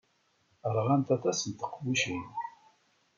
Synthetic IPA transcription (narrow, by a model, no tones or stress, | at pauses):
əɾʁant̪æt̪æsənt̪ə̥qːwiʃin